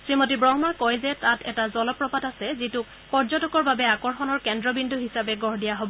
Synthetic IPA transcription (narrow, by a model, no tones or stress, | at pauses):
sɹimotibɹɔɦmakɔjzɛtatʰɛtazɔlɔpɹɔpatasɛzitu | pɔɹzɔtɔkɔɹbabɛakɔɹxɔnɔɹkɛndɹɔbinduɦisabɛɡɔɹdijaɦobɔ